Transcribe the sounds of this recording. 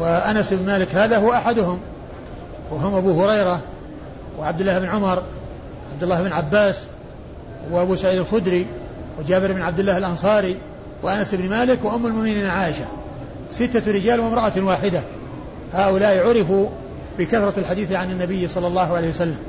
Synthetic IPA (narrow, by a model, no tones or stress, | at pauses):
waʔanasɪbnmaːlɪkhaːðahʊwaʔaħad̪ʊhʊm | wɪɦʊmʔabuːhʊɾɑjɾɑ | wɪʕab̚d̪ɪlːaːhɪbɪnʕʊmɑɾˤ | ʕab̚d̪ʊlːaːhbɪnʕabːaːs | wɪʔabuːsaʕiːd̪alxʊd̪ɾi | wɪd͡ʒaːbɪɾɪbɪnʕab̚d̪ɪlːaːhalʔɑnsˤɑːɾi | wɪʔanasɪbnmaːlɪkwaʔʊmːalmʊʔmɪniːnʕaːʔɪʃa | sɪt̪ːaɾɪd͡ʒaːlwɪmɾˤɑʔawaːħɪd̪a | haːʔʊlaːʔɪʕʊɾɪfu | bɪkaθɾˤɑlħad̪iːθʕanɪnːabɪjːsˤɑlːɑlːɑːhʕalejhwasalːam